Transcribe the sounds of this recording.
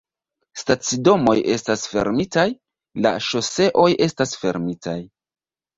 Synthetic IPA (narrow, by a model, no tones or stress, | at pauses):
stat͡sido̞mo̞je̞stasfe̞̰ɾmitaj | la̰ʃo̞se̞ʔo̞je̞stasfe̞̰ɾmitʰaj